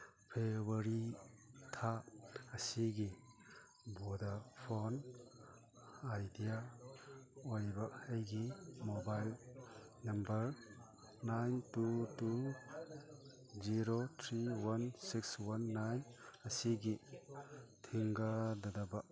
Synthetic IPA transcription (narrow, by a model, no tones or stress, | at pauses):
pʰebɐɾitʰaɐsiɡi | bɔdapʰon | ajdija | oɾibɐejɡimobajl | nɐmbɐɾ | najntutu | ziɾot̪ʰɾiwansikswanːajnɐsiɡi | tʰiŋɡadadaba